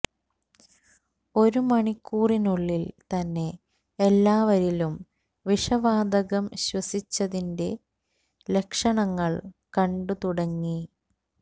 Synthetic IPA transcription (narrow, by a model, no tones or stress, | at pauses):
o̞ɾumɐɳikʰːuːrinuɭːilt̪ɐnːe̞ | elːaːʋɐɾilum | ʋiʂɐʋaːd̪ɐɣɐmɕwɐsit͡ɕːɐðinde̞ | le̞kʂɐɳɐŋːɐɭkɐɳɖut̪uɽɐŋːi